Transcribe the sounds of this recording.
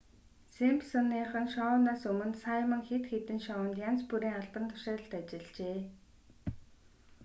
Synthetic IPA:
sempsɔnːiːχə̆nʃɔnaːsɵmɵ̆nt̪sajmə̆ŋxet̪xet̪ɘ̆nʃɔə̆nt̪jant͡spuɾiːŋaɮpə̆nt̪ʰʊ̥ʃaːɾə̆ɬt̪at͡ɕɪ̆ɮt͡ɕeː

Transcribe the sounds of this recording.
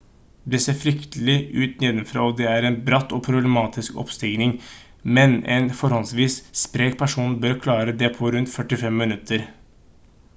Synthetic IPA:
d̪ɛseːɾfɾʏkt̪əlɪʔʉːt̪nɛːd̪əmfɾɑ̰ːɔd̪ɛæɾɛnbɾɑt̪ːɔpʰɾʊblɛmɑːt̪ʰɪskɔ̰pst̪ɪɡnɪŋ | mɛnɛ̰nfɔɾhɔlsʋiːsspɾeːk̚pʰæʂuːnbøɾkʰlɑːɾəd̪ɛpʰɔɾʉnt̪fœʈɪfɛmːənʉt̪ʰːəɾ

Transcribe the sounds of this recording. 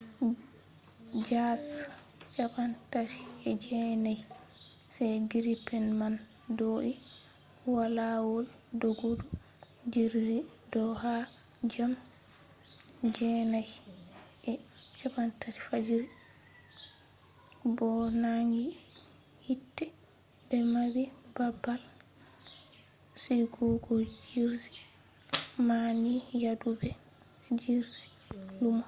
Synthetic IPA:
d͡ʒas | t͡ʃabantaɾi̥ɛd͡ʒɛnaj | sajɡiɾipɛnman | doːʔi | walawɔl | doɡodu | d͡ʒiɾi | dɔha | d͡ʒam | d͡ʒɛnajʔɛt͡ʃabantʰati̥fad͡ʒiɾi | bɔnaŋɡi | hitːɛ | bɛmabibabːal | siɡuɡɔd͡ʒiɾzi̥ | manijadubɛ | d͡ʒiɾzi̥ | lumɔ

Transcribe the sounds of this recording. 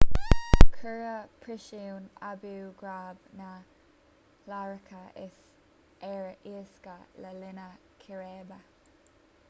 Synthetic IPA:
kʰəɹəpʰɹɪʃiwnabiwɡɹaːbna | laɹəkʰəʔɪs | ɛɹʔiəskələlɪnə | kʰɪɾɛːbə

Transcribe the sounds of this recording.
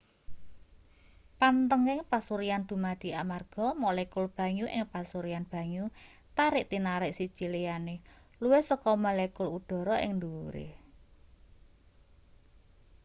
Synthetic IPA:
pant̪əŋɪŋpasuɾijand̪̥ṳmad̪̥i̤amarɡ̥ɔ̤molɛkʊlb̥ä̤ɲuʔɪ̰ŋpasuɾijanb̥a̤ɲu | t̪aɾɪʔt̪inaɾɪʔsid̥ʒ̥i̤lejane | luwehsɔkɔmalɛkʊlud̪̥ɔ̤ɾɔʔɪ̰ŋnd̪uɾḛ

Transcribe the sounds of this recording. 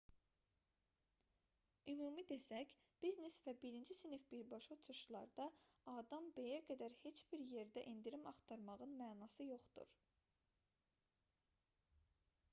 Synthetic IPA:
ymuːmid̪e̞sæc | b̥iznesvæbiɾind͡ʒisinifbiɾbɑʃot͡ʃʰuʃlˠɑ̰ɾd̪ɑ | ɑːd̪ɑmbe̞jæɡæd̪æɾhe̞t͡ʃb̥iɾje̞ɾd̪æʔind̪iɾimɑχt̪ʰɑɾmɑʁɯnmæːnɑsɯjo̞χd̪ṵɾ

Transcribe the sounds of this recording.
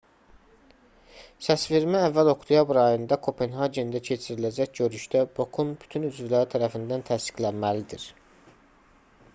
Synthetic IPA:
sæsfiɾmæævːælo̞kt̪ʰujɑbuɾɑjɯnd̪ɑkʰo̞pʰenhɑɟend̪æcʰe̞t͡ʃʰiɾilæd͡ʒæcɟø̞ɾyʃd̪æbo̞kʰunby̥t̪ʰynyzvilæɾit̪ʰæɾæfind̪ænt̪ʰæst̪i̥clænmælid̪iɾ

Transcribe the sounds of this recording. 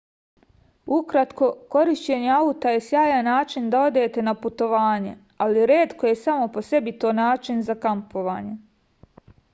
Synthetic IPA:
ukɾat̪ko̞ko̞ɾiʃt͡ɕe̞ɲeaut̪aje̞sjaːjanaːt͡ʃind̪ao̞d̪e̞ːt̪e̞naput̪o̞ʋaːɲe̞̰ | aliɾe̞ːt̪ko̞je̞saːmo̞po̞se̞bit̪o̞ːnaːt͡ʃinzakampo̞ʋa̰ːɲe̞

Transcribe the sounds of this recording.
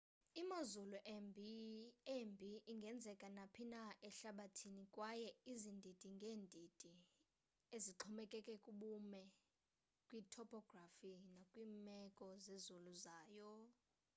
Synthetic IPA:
imazuluʔ | embʱiːŋɡʱɛnd͡zʱɛkʼanapʰinaʔɛɬaɓatʰinikʼwajɛizindʱid̥ʼʱiŋɡʱeːndʱid̥ʱʼi | eziǃʰɔmɛkʼɛkʼɛkʼuɓumɛ | kʼwiːtʰɔpʰʼɔɡ̥rafinakʼwiːmɛkʼɔzezuluzaːjɔ

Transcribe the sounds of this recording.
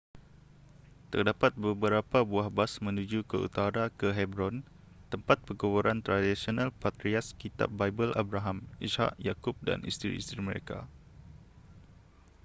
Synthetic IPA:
t̪ərdapat̪̚bəbəɾapabuahbasmə̃nud͡ʒukəṵt̪aɾakəɦɛbɾɔn | t̪əmpat̪̚pəɡoboɾant̪ɾadisionalpat̪ɾiaskit̪a̰p̚bajbəlʔabɾaɦamisha̰ʔjakʊp̚da̰nʔḭst̪ɾḭːst̪ɾiməɾḛka̰

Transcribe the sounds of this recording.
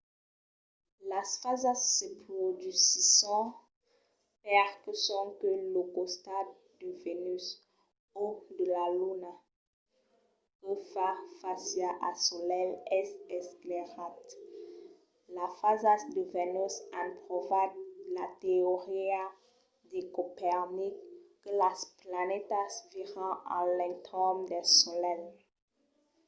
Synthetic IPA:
lasfazasːəpχod̪ysisɑ̃ | pɛʁkəsɔ̃kəlokost̪a | d̪əvenys | od̪əlaluna | kəfafasjaʔasolɛlɛsɛskleʁat̪ | lafazasd̪əvenysãnpʁɔvadlateoʁia | d̪ekopɛʁnikː | əlasplanɛt̪asviʁɑ̃ã̰lɛ̃t̪ɔmd̪ɛsɔlɛl

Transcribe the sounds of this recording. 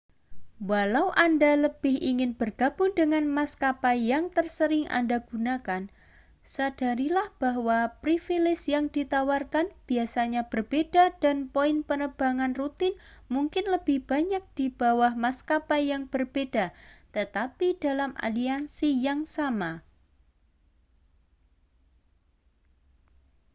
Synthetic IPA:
walawʔandaləb̥ɪhiŋɪnb̥ərɡ̥ab̥ʊŋdəŋanmaskapajaŋt̪ərsəɾɪŋʔa̰ndaɡ̥unakan | sad̥aɾilahb̥aɦwapɾifilɪsjaŋdit̪awarkanb̥iasaɲab̥ərb̥edad̥anpoɪnpənəb̥aŋanrut̪ɪnmuŋkɪnləb̥ɪhb̥aɲak̚d̥ib̥awahmaskapajaŋb̥ərb̥ed̥at̪ət̪apidalamʔa̰liansijaŋsama

